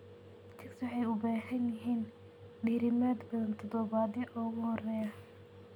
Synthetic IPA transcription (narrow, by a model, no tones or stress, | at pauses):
t̪ʰɪkswɑħɑjʊbaːħɐnjɪɦiːn | ɖiːɾɪmaːd̪bɐðɐnt̪ʰɔd̪ɔβaːðɪʔɔːɣʊhɔrɛːjɐ